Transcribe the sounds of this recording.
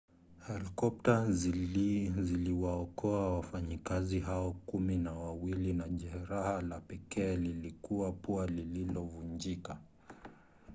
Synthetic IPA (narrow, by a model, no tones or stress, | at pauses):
hɛlikɔp̚taz | ziliwaɔkɔawafaɲikaziɦaɔkuminawawilinaʄɛɾahalapɛkɛːlilikuapualililɔvund͡ʒika